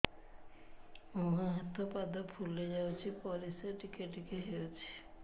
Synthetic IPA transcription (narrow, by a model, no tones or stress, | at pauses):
mɔɦãɦɛt̪ʰopad̪ɔpʰulːed͡ʒawt͡ʃʰipɔliseʈikeʈikeɦewt͡ʃʰi̥